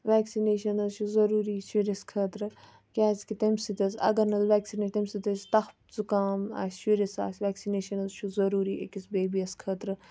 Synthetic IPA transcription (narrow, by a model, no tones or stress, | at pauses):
ʋɛːksineːʃɐnɐzt͡ʃʰuzɐɾuːɾiʃiɾɐskʰɐːt̪ɾɨ | kʲaːskit̪ɐmʲsit̪ɐsɐ̰ɡɐɾnɐzʋɛːksinɐt̪emsit̪ɐsʲt̪ɐx | zukaːma̰ːsʲʃiɾɐsa̰ːsʲʋɛːksineːʃɐnɐzt͡ʃʰuzɐɾuːɾiʔḛkisbeːbiɐskʰɐːt̪ɾɨ